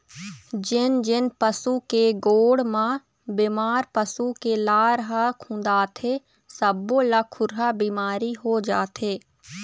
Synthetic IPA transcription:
d͡ʒɪnd͡ʒɪnpəsukeɡoːɽmã | bɪmaːɾpəsukelaːɾɦakʰũːnd̪aːt̪ʰeː | səbːolakʰʊɾɦabiːmaːɾiɦod͡ʒaːt̪ʰeː

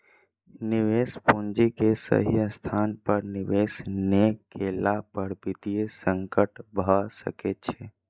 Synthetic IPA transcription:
niʋespund͡ʒikesə̰ɦijəst̪ʰanpəɾniʋesnekelapəɾpit̪iesəŋkəʈbʱəsə̰ket̪̚t͡ʃʰɛ

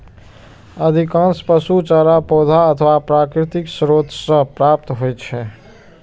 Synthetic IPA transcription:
əd̪ʱikãnspəsut͡ʃaɾapod̪ʱaət̪ʰʋapɾakɾit̪iksɾod̪ʱsə̃pɾap̚t̪ɦojt͡ʃʰɛ

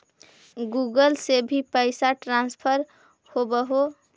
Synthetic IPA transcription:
ɡuɡəlsebʱipəɪsaʈɾanspʰəɾ | hobəɦo

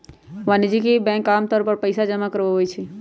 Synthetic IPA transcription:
ʋanid͡ʒikibɛ̃ːŋkaːmt̪ɔːɾpəɾpəjsad͡ʒəmakəɾʋoɦojt͡ʃʰi

